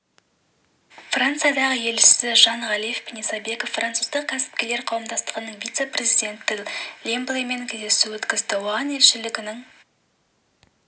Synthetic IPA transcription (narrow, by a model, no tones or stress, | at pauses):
frant̪sɨjaɑd̪ɑʁəje̞lɪʃɪsɪʒɑɴʁɑlije̞fbnijsɑbe̞kofrʔant̪suzd̪əq̚kʲʰæsɪ̥p̚kʲe̞le̞ɾqʰɑwəmd̪ɑst̪əʁənəɴvijt̪se̞prʲe̞zijd̪ʲe̞nt̪ːɪlʲemblˠeme̞ŋkʲʰezd̪esuwɵt̪kʲɪzd̪ɪwoʁɑne̞lʃɪlɪɡʲɪnɪŋ